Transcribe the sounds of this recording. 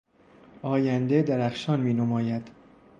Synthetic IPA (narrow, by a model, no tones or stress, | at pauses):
ɒːjænd̪ed̪æɾæxʃɒːnmiːnomɒːjæd̪̥